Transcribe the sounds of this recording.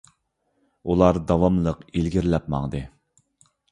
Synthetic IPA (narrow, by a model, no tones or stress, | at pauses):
ulˠɑɾd̪ɑwɑmlˠəqilɡʲiɾlɛp̚mɑ̰ŋd̪ɨ